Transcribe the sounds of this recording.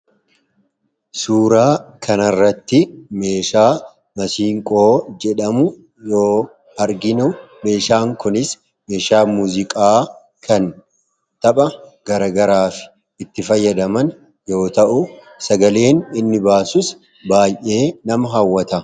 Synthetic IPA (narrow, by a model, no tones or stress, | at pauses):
suːɾaːkʰɐnɐrːɐt̪ːɪme̞ːʃaː | mɐsiːŋkʼo̞ːd͡ʒɛᶑɐmʊ | jo̞ː | ɐɾɡɪnʊme̞ːʃaːŋkʊnɪs | me̞ːʃaːmuːzɪkʼaː | kʰɐn | t̪ɐpʼɐɡ̥ɐɾɐɡɐɾaːfɪ̥ | ɪt̪ːɪfɐjːɐd̪ɐmɐn | jo̞ːt̪ɐʔʊ | sɐɡɐle̞ːnɪnːɪbaːsʊs | baːjʔe̞ːnɐmɐɦɐwːɐt̪ɐ